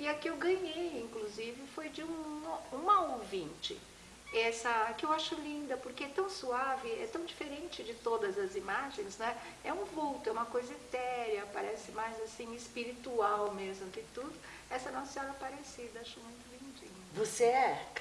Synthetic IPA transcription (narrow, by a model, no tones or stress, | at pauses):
ɪɐkɪewɡɐ̃ɲejĩŋkluzivɪfojd͡ʒɪũũmɐowvĩnt͡ʃɪ̰ | ɛsɐkɪewaʃʊlĩnd̪ɐpoɾkeɛt̪ɐ̃w̃suavɪɛ̰t̪ɐ̃w̃d͡ʒifeɾẽnt͡ʃɪd͡ʒɪt̪od̪ɐzɐzimaʒẽj̃snɐ̃w̃ɛ | ɛũvuwt̪ʊɛũmɐkojzɐɪt̪ɛɾjɐpaɾɛsɪmajzasĩɪspiɾit̪uawmezmʊkɪt̪ud̪ʊ | ɛsɐnɐ̃sẽɔɾɐpaɾesid̪ɐaʃomũj̃t̪ʊvĩnd͡ʒḭ̃ɲɐvoseɛ